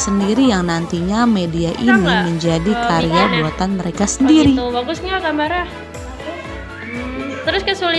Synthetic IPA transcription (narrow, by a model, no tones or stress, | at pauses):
səndiɾijaŋnant̪iɲamediaʔiniməɲd͡ʒadikaɾeabuat̪anməɾekasəndiɾit̪obaɡʊsɲakamaɾa | t̪əɾʊskasulɪ